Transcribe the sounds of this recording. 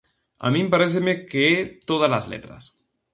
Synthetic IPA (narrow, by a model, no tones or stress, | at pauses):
a̰mĩmpaɾeθemekeet̪oð̞alazlḛt̪ɾa̰s